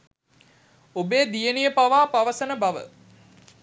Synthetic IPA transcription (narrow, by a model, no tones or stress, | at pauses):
obeːd̪ijənijəpaʋaːpaʋəsənəbaʋə̰